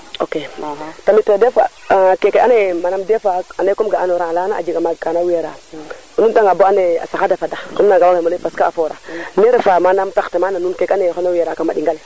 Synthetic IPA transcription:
oketamitodefa̰kekeanemanamdefaanekomɡaanoɾalanaa̰d͡ʒikamakanaweɾa | nuntaŋaboanea̰sakadafadaonunaɡawaɡaanefaskaːfoɾa̰neɾefamanamtaktemananukekanexonaweɾakamaɗiŋɡale

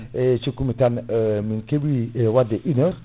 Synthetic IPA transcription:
et͡ʃikumitanəminkebiewadeʔinə

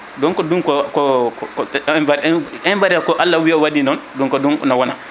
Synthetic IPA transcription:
dɔŋkɔdunkɔkɔknaɾɛnbaɾiakɔʔalːawiɔwadinɔnduŋkɔdunɔ̰nawɔna̰

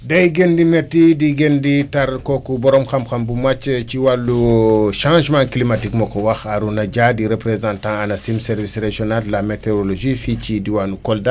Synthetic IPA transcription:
dɐjɡendimetːidiɡenditɐɾkokubɔɾɔmxɐmxɐmbumat͡ʃt͡ʃiwalːuʃãːʒmãklimatikmɔkɔwaxaɾunɐɟadiɾepɾezãntãɐnɐsimsɛɾvisreʒɔnalːameteɾoloʒifit͡ʃidiwanukɔlda

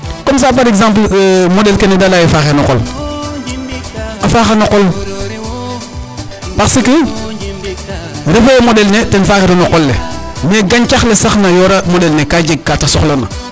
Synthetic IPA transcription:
kɔms̬aːpaɾekzãmp̬lmodɛlkenedalajefaxenɔkol | afaːxanoqɔl | baksiki | ɾefemodɛlnetɛnfaːxeɾinoqɔlːe | meɡaɲt͡ʃaxlesaxnajoɾamodɛlnekaɟeɡ̚katasɔ̰xlona̰

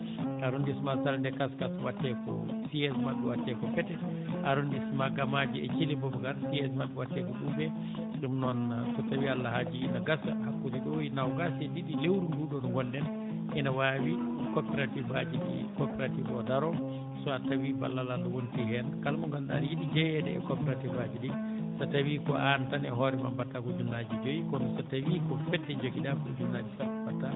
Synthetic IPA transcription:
aɾundismasalndɛkaskaswatːɛkɔ̰siɛsmaɓɛwatːɛkɔfɛtɛ | ʔaɾundismaɡamad͡ʒiɛ̰t͡ʃilibɔbɡaɾsiɛsmaɓɛwatːɛkɔbumbɛ | ɗumnɔnkɔtawialːahad͡ʒinaɡasahakːudiɗɔjinawɡasɛdiɗilewɾunduɗɔnɔɡɔndɛn | ʔɛnawawikɔpɛɾativad͡ʒiɗḭkɔpɛɾativɔdaɾɔ | sɔatawiba̰lːalanɔwonitiɦɛnkalmɔŋɡalɗa̰njiɗid͡ʒɛjɛdɛ̰ɛ̰kɔpɛɾativad͡ʒidi | satawikɔʔantanɛ̰ɦɔɾɛma̰mbatːakɔd͡ʒunːad͡ʒid͡ʒojikɔnɔsatawikɔfɛtːɛd͡ʒokidakɔd͡ʒunːad͡ʒisabatːa

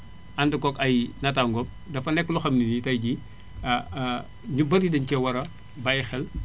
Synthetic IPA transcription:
ɐndɐkɔkɐjnɐtaːŋɡɔp̚ | dɐfɐnɛkːluxɐmninitɐjɟi | ɲubɐɾidɐɲcɛwɐɾɐ | bajxɛl

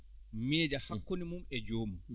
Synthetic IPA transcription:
mɛːd͡ʒahakːonimumɛd͡ʒoːmu

